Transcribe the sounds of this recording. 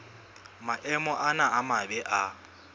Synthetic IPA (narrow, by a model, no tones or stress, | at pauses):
maʔɛmɔʔanaamabɛʔa